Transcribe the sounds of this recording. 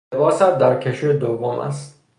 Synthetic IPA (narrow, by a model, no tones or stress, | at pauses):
bɒːsæt̪̚d̪æɾcʰeʃid̪ovːomʔæ̰st̪